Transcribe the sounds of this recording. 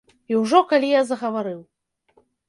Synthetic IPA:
iwʐɔkalʲijazɐɣɐvaɾɨw

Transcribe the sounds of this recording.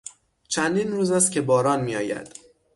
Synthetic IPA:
t͡ʃʰænd̪iːnɾuːzæst̪cʲʰe̞bɒːɾɒːnmiːɒːjæ̰d̪̥

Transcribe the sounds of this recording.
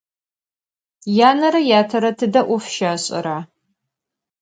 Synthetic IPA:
jaːnɐɾɐjaːtʰɐɾɐtʰɨdɐʔʷʊfʃaːɕʼɪ̰ɾaː

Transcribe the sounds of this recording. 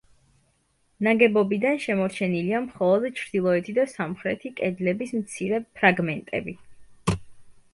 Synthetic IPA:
naɡɛbɔbid̪anʃɛmɔɾt͡ʃʰɛniliamχɔlˠɔd̪t͡ʃʰɾd̪ilˠɔɛt̪ʰid̪asamχɾɛt̪ʰikʼɛd̪lɛbismt̪sʰiɾɛpʰɾaɡmɛnt̪ʼɛ̰bi

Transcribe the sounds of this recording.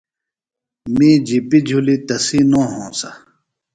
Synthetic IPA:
mĩːd͡ʑipid͡ʑʱulit̪ɐsinõːɦõːsɐ

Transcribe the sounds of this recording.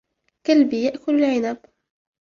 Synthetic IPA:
kalbijaʔkʊlalʕɪnab

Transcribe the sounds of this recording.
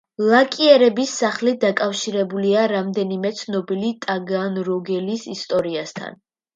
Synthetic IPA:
lˠakʼiɛɾɛbisːaχlid̪akʼafʃiɾɛbuliaɾamd̪ɛnimɛt̪sʰnɔbilit̪ʼaɡanɾɔɡɛlisist̪ʼɔɾiast̪ʰa̰n

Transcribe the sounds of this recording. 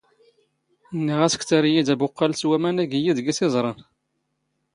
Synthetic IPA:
nːiʁæsə̥kt͡sæɾijid̪æbʊqːɑlswæmænæɡijid̪ɡisɪzˤɾˤɑn

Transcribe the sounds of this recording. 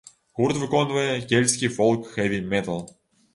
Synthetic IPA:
ɣurt̪vɨkonvɐjəkʲelʲsʲkʲijfɔlˠkxɛvʲimʲɛt̪əlˠ

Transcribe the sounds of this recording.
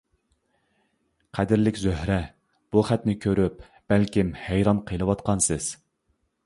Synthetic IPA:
qʰæd̪ɪɾlɪkʲzøhɾɛ | b̥uχæt̪nɪkʲʰøɾyp̚ | b̥ælkʲimhæjɾɑnqʰəlˠɨwɑt̪qʰɑnsɨz̥

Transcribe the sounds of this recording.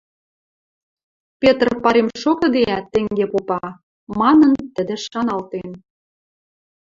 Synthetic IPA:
pʲet̪rpɑɾemʃokɤ̆d̪eæt̪ːĕŋɡepopɑ | mɑnɤ̆nt̪ə̆d̪ĕʃɑnɑlt̪en

